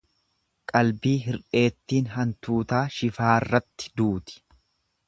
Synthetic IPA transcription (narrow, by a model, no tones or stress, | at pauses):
kʼɐlbiːɦɪɾᶑe̞ːt̪ːiːnɦɐnt̪uːt̪aːʃɪfaːɪrːɐt̪ːɪ̥d̪uːt̪ɪ̥